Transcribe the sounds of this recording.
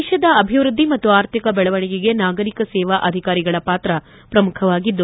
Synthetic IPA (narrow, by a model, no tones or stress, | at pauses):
ʃɐd̪ɐɐbʱiʋɾud̪ʱːimɐt̪ːuaːɾt̪ʰikɐbɛɭɐʋɐɳiɡiɡe̞naːɡɐɾikɐsɛːʋaʔɐd̪ʱikaːɾiɡɐɭɐpaːt̪ɾɐ | pɾɐmukʰɐʋaːɡid̪ːu